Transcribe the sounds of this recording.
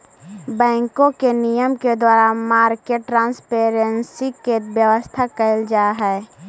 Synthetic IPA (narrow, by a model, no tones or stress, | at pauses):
bɛ̃ːŋkõkenijəmked̪waːɾamaːɾkeːʈːɾãːnspeːɾənsikebjəʋəst̪ʰakəld͡ʒaːɦɛː